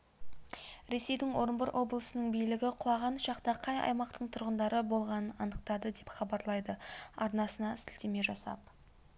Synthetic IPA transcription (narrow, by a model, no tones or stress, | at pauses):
ɾe̞se̞jd̪ɪŋwo̞ɾəmbəɾʔo̞blˠəsənəɴbijlɪɡʲɪqʰʊlˠɑʁɑnʊʃɑqt̪ɑqʰɑjɑ̰jmɑqt̪əɴt̪ʰʊɾʁənd̪ɑɾəbo̞lˠʁɑnənɑ̰nəq̚t̪ɑd̪əd̪e̞pχɑbɑɾlˠɑjd̪əɑɾnɑsənɑsɪlt̪eme̞ʒɑsɑ̰p